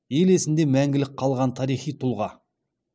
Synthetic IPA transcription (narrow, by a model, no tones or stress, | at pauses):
je̞le̞sɪnd̪e̞mæŋɡʲɪlɪk̚qʰːɑlˠʁɑnt̪ʰɑɾijχijt̪ʰʊlˠʁɑ